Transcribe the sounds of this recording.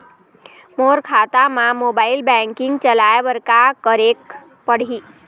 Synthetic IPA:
moɾkʰat̪amãmobailbɛ̃ŋkɪŋɡt͡ʃəlajʋəɾkakəɾek | pəɽ̤i

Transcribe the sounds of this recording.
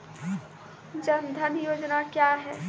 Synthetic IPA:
d͡ʒɐnd̪ʱənjoːd͡ʒnakjaːɦɛː

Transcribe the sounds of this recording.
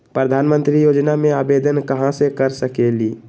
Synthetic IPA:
pɾəd̪ʱanmə̃nt̪ɾijod͡ʒnamẽaːbed̪ənkəɦãsekəɾsəkeliː

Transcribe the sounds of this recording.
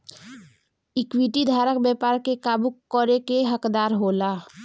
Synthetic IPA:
ikwiʈid̪ʱaːɾəkbjɛpaɾkekabukəɾekeɦəkd̪aːɾɦola

